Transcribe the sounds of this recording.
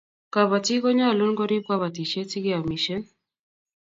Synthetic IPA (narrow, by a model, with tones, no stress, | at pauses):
ka˨βa˨ti˦ɡɔ˦ɲa˦˨lo˦nɡɔ˦ɾi˦b̚ka˦βa˨ti˨t͡ʃe˦ti˦ɡi˦a˨mi˨ʃɔ˦n